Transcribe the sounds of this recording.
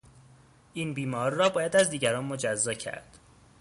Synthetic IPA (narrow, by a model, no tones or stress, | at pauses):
ʔiːnbiːmɒːɾiːɒːbɒːjæd̪æzd̪iːɟæɾɒːnmod͡ʒæzːɒːcʰæ̰ɾd̪̥